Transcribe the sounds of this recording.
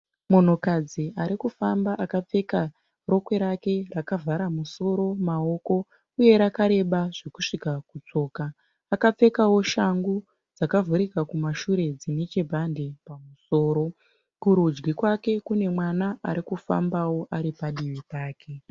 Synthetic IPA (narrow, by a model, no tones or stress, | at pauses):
mo̞n̤o̞kad͡ziʔaɾikufambaʔakap͡fe̞ka | ro̞kwe̞ɾake̞rakavʱaɾamuso̞ɾo̞mao̞ko̞ | uje̞ɾakaɾe̞ɓaʐekuʂikakut͡so̞ːkaː | kap͡fe̞kawo̞ʃaŋɡu | d͡zakavʱuɾikakumaʃuɾe̞d͡zinet͡ʃebʱande̞pamuso̞ːɾo̞ | kuɾud͡ʒɡikwake̞kune̞mwanaaɾikufa̰mbawo̞ʔaɾipaɗiʋitaːke̞